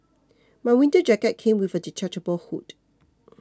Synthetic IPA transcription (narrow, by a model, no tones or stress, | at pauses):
maɪwĩntəd͡ʒɛkət̚kʰẽmwivədit͡ʃat͡ʃəbəlhut